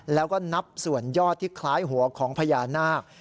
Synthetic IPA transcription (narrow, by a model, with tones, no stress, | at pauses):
lɛː˦˥wkɔː˥˩na˦˥p̚su˨˩ənjɔː˥˩t̪ʰːiː˥˩kʰlaː˦˥jɦu˩˦ɐkʰɔː˩˦ŋpʰa˧jaː˧naː˥˩k̚